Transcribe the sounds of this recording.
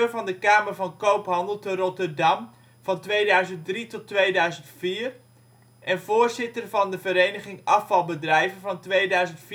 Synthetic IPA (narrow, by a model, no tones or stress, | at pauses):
ərvɑndəkaːmərvɑnkowpɦɑndəlˠtərɔtərdɑm | v̥ɑntʋejdœɥzənt̚dritɔtːʋejdœɥzəntfiːr | ʔɛnvoːrzɪtərvɑndəvəɾejnəχɪŋɑfɑlˠbədrɛjvənvɑntʋejdœɥzəntf